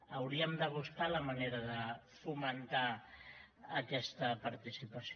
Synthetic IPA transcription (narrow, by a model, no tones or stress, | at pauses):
əwɾiəmd̪əβuskaləməneɾəðə | fumənt̪aː | kɛst̪əpəɾt̪isipəs